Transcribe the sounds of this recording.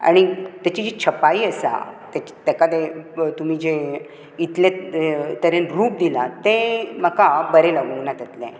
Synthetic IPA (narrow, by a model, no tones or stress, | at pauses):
a̰ɽ̃it̪jat͡ɕid͡ʑet͡ɕʰəpaiːəsa̰t̪ɛt͡ɕt̪ɛkad̪et̪um̤iːd͡ʑe | it̪lẽt̪əɾenɾuːp̚d̪ilat̪ẽm̤əkabəɾelaɡənat̪at̪lɛ̰̃